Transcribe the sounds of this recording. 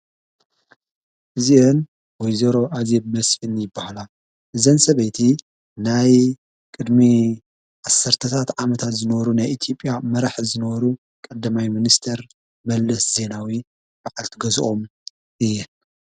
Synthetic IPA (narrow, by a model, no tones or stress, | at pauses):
ʔɨziʔen | wɔjzɐɾo̞ʔazebmɐsħɨnjɪbːahala | ʔɨzɐnsɐβɐjt̪ʰi | naj | kʼɨd̪mi | ʕasːɐɾt̪ʰɐt̪ʰat̪ʕamɐt̪ʰat̪zɨnɐβɐɾunajʔit̪ʰjo̞pʼːjamɐɾaħzɨnɐβɐɾu | kʼɐd̪ːɐmajminist̪ʰɐɾ | mɐlːɐsz̥e̞nawi | baʕalt̪ʰɨɡɐzʔo̞m | ʔɨjːɛ